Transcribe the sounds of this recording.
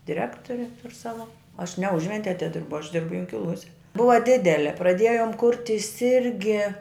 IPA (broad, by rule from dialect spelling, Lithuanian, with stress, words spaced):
dʲɪˈrʲæːktoːrʲɪ tʊr ˈsɑːʋɐ ɐʃ nʲɛ ˈʊʒʲʋʲɛnʲtʲɪjɛ ɐtʲɪˈdʲɪrbʊ ɐʃ ˈdʲɪrbʊ jʊŋʲkʲɪˈlˠuɔsʲɛ ˈbʊʋɐ ˈdʲɪdʲɛlʲɛ prɐˈdʲeːjoːm ˈkʊrʲtʲɪs ˈɪrʲɡʲɪ